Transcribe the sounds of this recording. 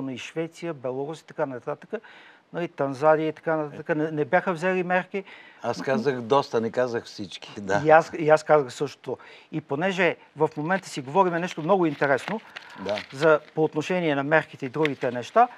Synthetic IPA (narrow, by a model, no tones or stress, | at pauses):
noiʃvɛt̪sijəbɛlˠoɾusi̥t̪ɐ̥kanɐt̪at̪ə̥kənɐlit̪ɐnzad̪iəit̪ɐ̥kanɐt̪at̪əkənɛnɛbjaxəvzɛlimɛɾkiaskazəxd̪ɔst̪ənɛkazəxfsit͡ʃki̥d̪aasiaskazəxsɤʃt̪o̥t̪oiponɛʒɛ | vɐfmomɛnt̪ə̥siɡovɔɾimɛnɛʃt̪omnɔɡʊint̪ɛɾɛsnod̪azɐpoːt̪noʃɛniɛnɐmɛɾkit̪ɛid̪ɾuɡ̟it̪ɛnɛʃt̪a